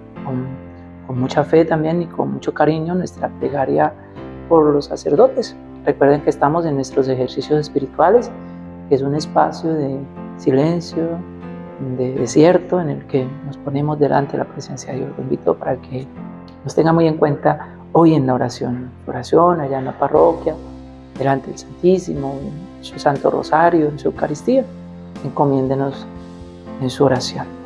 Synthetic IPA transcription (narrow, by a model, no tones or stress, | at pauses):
kon | ko̞nmut͡ʃafe̞t̪ambje̞nikʰonmut͡ʃo̞kaɾiɲo̞nwe̞st̪ɾaple̞ɣaɾja | po̞ɾlosːase̞ɾðot̪e̞s | re̞kwe̞ɾðeŋkeːst̪amo̞senːwe̞st̪ɾos̬e̞xe̞ɾsisjo̞sespiɾit̪wale̞s | kees̬une̞spasjo̞ðe̞sile̞nsjo | d̪e̞ðesje̞ɾt̪o̞ene̞̰lke̞no̞spo̞ne̞mo̞zd̪e̞lʔa̰nt̪e̞lapɾe̞se̞nsjaðejosloimbit̪opaɾakʰe̞ | nost̪e̞ŋɡamuje̞ŋkwe̞nt̪a | oje̞nlaoɾasjo̞nnsuo̰ɾasjo̞naʝaenlaparo̞kja | d̪e̞lant̪e̞ðelsant̪isimoennsusant̪o̞̰ro̰saɾjoensuewkaɾist̪ia | eŋko̞mjẽ̞nd̪enos | e̞nsuoɾasjo̞n